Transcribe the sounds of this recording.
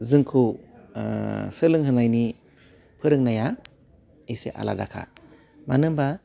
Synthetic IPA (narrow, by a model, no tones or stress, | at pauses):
zɯŋkʰu | sɯlɯŋɦɯnajni | pʰɯɾɯŋnaja | esḛʔa̰la̰dakʰa̰ | manɯŋba